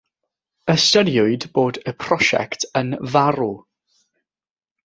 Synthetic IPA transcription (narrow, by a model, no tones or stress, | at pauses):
əstədjʊɨdboːdəpʰrɔʃɛ̰ktʰənvaɾu